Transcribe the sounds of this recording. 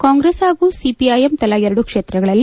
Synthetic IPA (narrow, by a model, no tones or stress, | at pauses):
kaːŋɡɾeːsɦaːɡuːsipiɐjemt̪ɐlɐɛɾɐɽukʂeːt̪ɾɐɡɐɭɐlːi